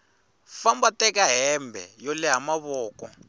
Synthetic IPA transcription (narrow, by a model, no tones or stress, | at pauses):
fambatɛkaɦɛmbʱɛ̰jɔlɛɦamaβɔːkɔ